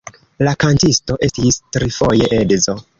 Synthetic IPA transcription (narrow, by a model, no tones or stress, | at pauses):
lakantisto̞ʔe̞stistɾifo̞je̞ʔedzo̞